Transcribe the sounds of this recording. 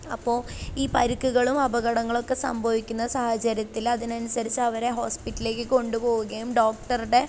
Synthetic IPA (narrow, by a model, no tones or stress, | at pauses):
ɐpːo̞ːiːpɐɾukːuɣɐɭumɐbɐɣɐɽɐŋːɐɭo̞kːe̞sɐ̰mbʱɐʋikʲːunːɐsɐhɐt͡ɕɐɾjɐt̪ːilɐðinɐnusɐɾit͡ɕːɐːʋɐɾe̞ɦo̞ːspiʈːɐle̞ːkːɨko̞ɳɖupo̞ːɣuɣɐjumɖo̞ːk̚ʈɐruɽe̞